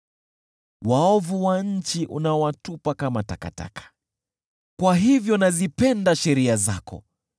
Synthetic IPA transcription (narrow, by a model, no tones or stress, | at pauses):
waɔvuwaɲ̩t͡ʃiʔṵnaɔwatupakamata̰ka̰ta̰kḁ | kwaɦivjɔnazipɛndaʃɛɾiaza̰kɔ̰